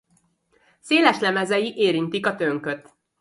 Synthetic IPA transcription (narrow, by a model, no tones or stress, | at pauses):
seːlɛʃlɛmɛzɛjiʔeːɾint̪ikɒt̪øŋkøt̪